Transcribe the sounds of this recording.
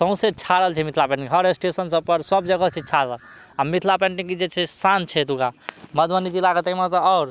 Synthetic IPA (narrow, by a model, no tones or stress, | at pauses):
sə̃ʊ̃set͡ʃʰaɾəlt͡ʃʰɛmit̪ʰlapɛ̃ɳʈiŋkɦəɾesʈesənsəb̚pəɾsəb̚d͡ʒəɡət͡ʃʰit͡ʃʰaɾəl | amit̪ʰlapɛɳʈĩŋkid͡ʒet͡ʃʰɛsant͡ʃʰɛt̪uɡaməd̪ʱʋənid͡ʒilaɡət̪əɦimet̪ɔːɾ